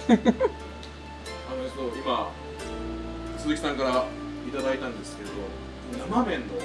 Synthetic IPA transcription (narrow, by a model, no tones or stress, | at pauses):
anosoima | o | sɨzɨkʲi̥sãŋkaɾa | it̪ad̪ait̪ãnd̪e̞sɨ̥ke̞ɾed̪o | namabẽ̞nːo